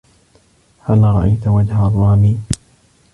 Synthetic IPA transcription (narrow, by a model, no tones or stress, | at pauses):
halɾˤɑʔajt̪ʊwad͡ʒharˤːɑːmiː